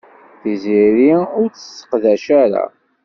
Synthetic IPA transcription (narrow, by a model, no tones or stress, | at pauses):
θiziɾiʊɾt͡sə̥sːə̥qðæʃaɾa̰